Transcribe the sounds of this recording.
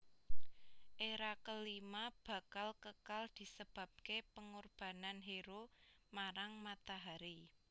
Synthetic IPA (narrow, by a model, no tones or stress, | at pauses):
ʔeɾakəlimab̥ä̤kalkəkald̪̥i̤səb̥ä̤p̚kepəŋurb̥a̤nanɦeɾo | maɾaŋmat̪aɦaɾi